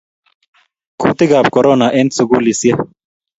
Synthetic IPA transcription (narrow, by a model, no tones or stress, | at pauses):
kuːt̪iɡaːb̚koɾoːnaʔent̪suɡuːlisje